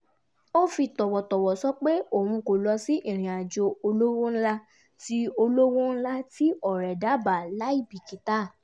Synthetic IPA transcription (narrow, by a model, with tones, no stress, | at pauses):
o˦fi˧tɔ˨wɔ˨tɔ˨wɔ˨sɔ˨˦k͡pe˦o˦˨hũ˧ko˨lɔ˧si˦ʔi˦˨ɾ̃ĩ˨a˨d͡ʒo˧o˧lo˦wõ˦n̩˦la˦ | ti˦o˧lo˦wõ˦n̩˦la˦ti˦ɔ˦˨ɾɛ˨da˨˦ba˨la˨˦i˦˨bi˨ki˨ta˦˨